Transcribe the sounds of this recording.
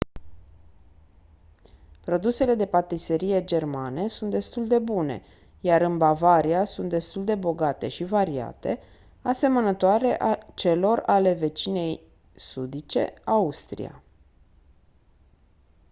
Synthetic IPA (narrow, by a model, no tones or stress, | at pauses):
pɾo̞d̪use̞le̞d̪e̞pat̪ise̞ɾije̞d͡ʒe̞rmane̞sunt̪d̪e̞st̪uld̪e̞bune̞̰ | jaɾɨnbavaɾiasunt̪d̪e̞st̪uld̪e̞bo̞ɡat̪e̞̰ʃivaɾia̰t̪e̞̰ | ase̞mənət̪oaɾe̞ʔat͡ʃe̞lo̞rale̞ve̞t͡ʃine̞j | sud̪it͡ʃe̞̰aust̪ɾḭa̰